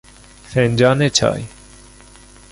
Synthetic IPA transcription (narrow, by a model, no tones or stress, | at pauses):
sẽːnʲd͡ʒaːneːt͡ʃʰa̰ːj